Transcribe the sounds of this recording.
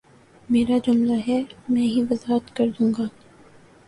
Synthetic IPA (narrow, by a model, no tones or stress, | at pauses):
meːɾad͡ʒʊmlaɦɛmɛ̃ːɦiʋɐzaːɦət̪kɐɾd̪ũːŋɡaː